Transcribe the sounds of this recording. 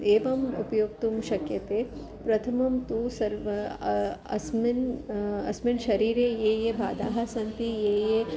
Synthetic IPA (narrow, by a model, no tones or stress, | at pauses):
eːʋɐmṵpɐjoːk̚t̪umʃɐkjɐt̪eː | pɾɐt̪ʰɐmɐmt̪uːsɐɾʋɐ | ɐ̰sminɐ̰sminʃɐɾiːɾeːjeːjeːbʱa̰ːd̪aːɦɐsɐnt̪ijeːje